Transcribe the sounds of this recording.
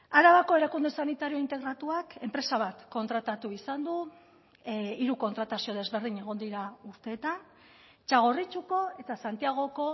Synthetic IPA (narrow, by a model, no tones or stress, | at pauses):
aɾaβako̞e̞ɾakund̪esanit̪aɾio̞int̪e̞ɣɾat̪uake̞mpɾe̞saβ̞at̪ko̞nt̪ɾat̪at̪uisand̪u | iɾuko̞nt̪ɾat̪asio̞ð̞e̞zβe̞ɾð̞iɲe̞ɣ̞o̞nd̪iɾauɾt̪e̞ːt̪an | t͡ʃaɣ̞o̞rit͡ʃuko̞e̞t̪asant̪iaɣ̞o̞ko̞